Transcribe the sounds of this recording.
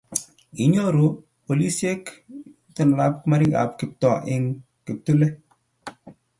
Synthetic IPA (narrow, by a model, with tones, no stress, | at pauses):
i˨˦ɲɔ˦ɾo˨ | po˨li˦sje˦k | tɔ˨n˨la˦p̚kma˦ɾi˦ɡa̰˨p̚kɪ˨p̚tɔ˨ʔɪ˦ŋ | ki˨p̚tu˦lɛ˦